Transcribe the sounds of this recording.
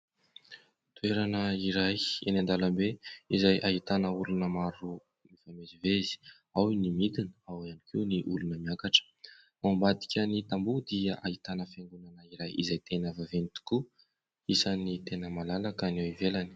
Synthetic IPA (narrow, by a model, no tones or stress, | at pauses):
t̪ueɾanəiɾajḛnand̪alambeizajʔaɦit̪anəulunəmaɾu | mifamezivezi̥ | awnimid̪inəawanikʰiwniʔulunəmiakaʈ͡ʂə̥ | ambad̪i̥kʲənit̪ambud̪iəʔaɦit̪anəfeŋɡunanəiɾajḭzajt̪enəvavenit̪u̥ku | isənit̪enəmalalakanewivelani̥